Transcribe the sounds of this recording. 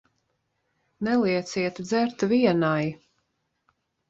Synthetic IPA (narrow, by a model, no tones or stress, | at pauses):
nɛlˠiɛt̪siɛt̪d̪zæɾt̪viɛnaj